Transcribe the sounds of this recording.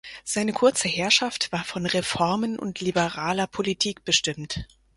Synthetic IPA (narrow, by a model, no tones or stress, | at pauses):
z̥aɪnəkʰʊɐt͡səhɛɐʃaftv̥aːɐfɔnʁefɔɐmənʔʊ̰ntʰlibəʁaːlɐpʰolitʰiːk̚b̥əʃtɪmt